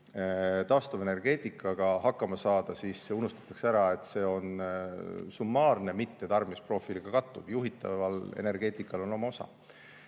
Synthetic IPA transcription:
t̪ɑːst̪ove̞ne̞rɡ̥e̞ːt̪ˑikʰːˑɑɡ̥ɑhɑkːɑmɑsɑːd̪̥ɑsiːsseunust̪ɑ̥t̪ːˑɑ̥kseæɾɑe̞t̪ːˑse̞ːo̞n | sumːɑːrne̞mit̪ːe̞t̪ɑrmispro̞filiɡ̥ɑkɑt̪ːˑuvjuɦit̪ːˑɑ̰vɑle̞̰ne̞rɡ̥e̞ːt̪ˑikːˑɑlo̞no̞mɑosɑ̰

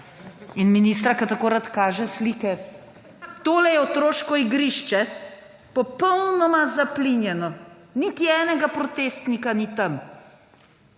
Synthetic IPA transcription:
inminiːst̪ɾakat̪akoːɾat̪kaːʒɛsliːkɛ | t̪oːlɛjɛot̪ɾoːʃkɔiɡɾiʃt͡ʃɛ | pɔpɔwnɔmazaplinjɛnɔ | nit̪iɛːnɛɡapɾɔt̪eːst̪nikanit̪ɐm

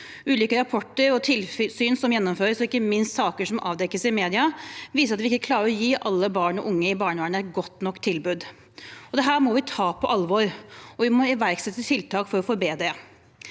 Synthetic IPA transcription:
ʉːliːkəɾɑpʰɔʈːəɾɔt̪ʰɪlsyːnsɔmjɛnːɔmføːɾəsɔɪkːəmɪnst̪sɑːkəʂɔmʔɑ̰ːʋd̪ɛkːəsɪmeːd̪ɪɑʋiːsəɾɑt̪ʋɪɪkːəkʰlɑːɾəɾɔjiːʔɑlːəbɑːɳɔʔʊŋːəɪbɑːɳəʋɑːɳəɛt̪̚ɡɔt̪ːnɔkːt̪ʰːɪlbʉːd̪ | ɔd̪ɛɦæːɾmɔʋɪt̪ʰɑːpʰɔʔɑlʋɔɾɔʋɪmɔɪʋæɾɡsɛt̪ːət̪ʰɪlt̪ʰɑːkfɔɾɔfɔɾbeːd̪ɾə

